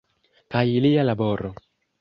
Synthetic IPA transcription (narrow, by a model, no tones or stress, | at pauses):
kajilialaboɾo